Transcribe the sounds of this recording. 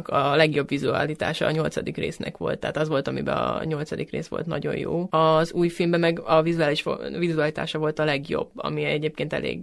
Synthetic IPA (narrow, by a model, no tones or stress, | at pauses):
kɒlɛɡjo̞bʋizuɒ̰lit̪a̰ːʃɒːɲo̞lt̪sɒd̪ikreːsnɛkʋo̞̰lt̪ːɛ̰ːt̪ɒzʋo̞lt̪ɒmibɛɒɲo̞lt̪sɒd̪ikreːsʋo̞̰lt̪nɒ̰ɟo̞̰joːɒzuːjfilmbɛmɛɡɒvizuaːliʃvizuɒlit̪a̰ːʃɒvo̞lt̪ɒlɛɡjo̞̰bːɒ̰miɛɟeːp̚keːnt̪ɛ̰lḛːɡ